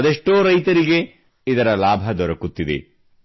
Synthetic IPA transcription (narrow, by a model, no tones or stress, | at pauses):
ɐd̪eʂʈoːɾɐjt̪ɐɾiɡe̞ | id̪ɐɾɐlaːbʱɐd̪ɔɾɐkut̪ːid̪ḛ